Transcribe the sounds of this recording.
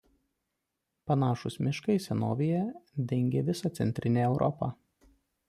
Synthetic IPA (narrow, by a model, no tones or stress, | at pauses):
pɐnɑːʃʊsmʲɪʃkɐɪsʲɛnoːʋʲɪjɛd̪ʲɛŋʲɡʲeːʋʲɪsɑt̪sʲɛ̰nʲt̪ʲɾʲɪnʲeːɛʊɾʔɔpɑ̰